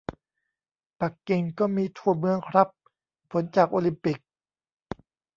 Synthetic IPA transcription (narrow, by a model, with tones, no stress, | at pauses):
pa˨˩kːi˧ŋkɔː˥˩miː˧t̪ʰu˥˩ɐəmɯ˧əŋkʰɾa˦˥pʰː | o˩˦nt͡ɕaː˨˩k̚ʔoː˧li˧˥mpi˨˩k̚